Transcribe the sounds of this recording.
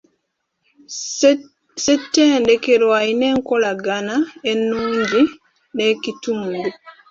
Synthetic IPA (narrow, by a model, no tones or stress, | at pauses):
sɛtːɛndɛkɛɾwainɛŋkɔlaɡanaɛnːuɲd͡ʒi | ɗɛkitumdu